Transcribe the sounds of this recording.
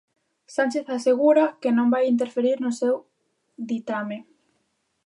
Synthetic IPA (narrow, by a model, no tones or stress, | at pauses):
sant͡ʃeθaseɣuɾakenõmbajint̪̬eɾfeɾiɾnosew | d̪it̪ame